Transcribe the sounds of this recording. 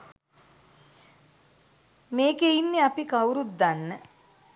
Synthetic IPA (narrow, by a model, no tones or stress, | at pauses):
meːkeinːeapikawɾut̪̚d̪anːə